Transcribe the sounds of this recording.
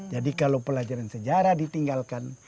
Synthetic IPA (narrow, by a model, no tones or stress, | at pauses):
d͡ʒadikalowpəlad͡ʒaɾansəd͡ʒaɾadit̪iŋɡalkan